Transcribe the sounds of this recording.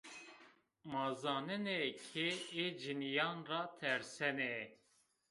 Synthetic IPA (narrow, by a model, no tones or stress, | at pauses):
mɑːzɑːnɨnekʰeeːd͡ʒinijɑːnrɑːt̪ʰɛɾsɛnɛ